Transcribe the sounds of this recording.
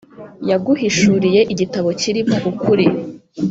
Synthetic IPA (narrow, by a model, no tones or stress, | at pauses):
jaɡuhiʃuɾije̞ʔiɟitaβo̞ciɾimo̞ʔukuɾi